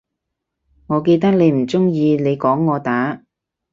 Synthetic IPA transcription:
ŋɔː˨˧ke˧jt̪ɐ˥k̚le˨˧jm̩˨˩t͡sʊ˥ŋjiː˧ne˨˧jkɔː˨˥ŋːɔː˨˧t̪aː˨˥

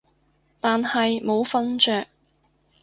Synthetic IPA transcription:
t̪aː˨nhɐ˨jmo˨˧wfɐ˥nt͡ʃœː˨k̚

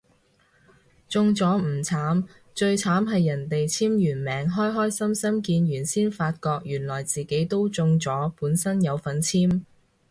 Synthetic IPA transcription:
t͡sʊ˧ŋt͡sɔː˨˥m̩˨˩t͡sʰaː˨˥m | t͡ʃɵ˧ɥt͡sʰaː˨˥mɦɐ˨jːɐ˨˩nt̪e˨jt͡sʰiː˥mjyː˨˩nmɛː˨˥ŋɦɔː˥jɦɔː˥jsɐ˥msɐ˥mkiː˧njyː˨˩nsiː˥nfaː˧t̚kɔː˧k̚jyː˨˩nlɔː˨˩jt͡siː˨ke˨˥jt̪o˥wt͡sʊ˧ŋt͡sɔː˨˥puː˨˥nsɐ˥njɐ˨˧wfɐ˨nt͡sʰiː˥m

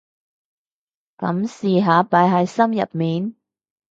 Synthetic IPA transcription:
kɐ˨˧˥msiː˨ɦaː˨˧˦paː˨˥jɦɐ˨˧jsɐ˥mjɐ̰˨t̚miː˨˩n

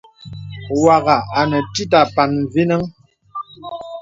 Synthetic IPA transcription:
wa˨ɣa˨a˨nə˨ti˦ta˨pa˨nvi˦nə˦ŋ

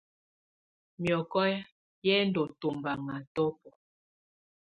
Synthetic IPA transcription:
mjɔ˨kɔ˦j | jɛ˦ndɔ˨to˨mba˨ŋa˨tɔ˦pɔ˨

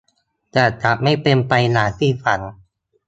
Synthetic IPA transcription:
t͡ɕaː˨˩t͡ɕa˨˦ma˥˩jpe˧npa˧jnaː˩˦ŋt̪ʰiː˥˩fa˩˦ŋ

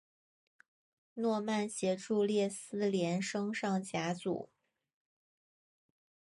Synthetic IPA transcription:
nwɔ˥˧ma˥˩nɕjɛ˧˥ʈ͡ʂu˥˧ljɛ˥˩sɹ̩˥ljɛ˧˥nʂɤ˥ŋʂɑ˥˩ŋt͡ɕja˧˥t͡sṵ˨˩˦

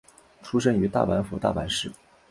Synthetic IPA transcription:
ʈ͡ʂʰu˥ʂə˥ny˧˥t̪a̰˥˩pa˧˥nfu˧˥t̪a̰˥˩pa˧˥nʂɻ̩˥˩

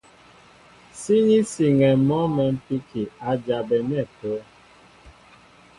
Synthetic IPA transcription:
si˦ɲi˦si˨ŋɛ˨mɔ˦mɛ˨m̩˦pi˦kʰi˨a˨d͡ʒa˨bɛ˨nɛ˦˨po˨˦

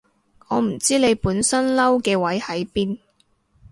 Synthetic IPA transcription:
ŋɔː˨˧m̩˨˩t͡siː˥le˨˧jpuː˨˥nsɐ˥nlɐ˥wkɛː˧wɐ˨˥jhɐ˨˥jpiː˥n

